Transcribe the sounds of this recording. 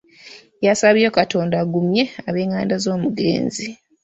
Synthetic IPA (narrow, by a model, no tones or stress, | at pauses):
jasaβo̞kato̞ːndaɡumje̞aβe̞ːŋaːndazo̞ːmuɡḛːnzi